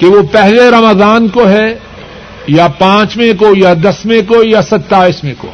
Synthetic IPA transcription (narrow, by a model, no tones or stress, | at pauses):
keʋopɛɦleɾɐməzaːnkoɦɛ | japãːt͡ʃmẽkojad̪ɐsmẽkojasɐt̪ːaːismẽko̰ː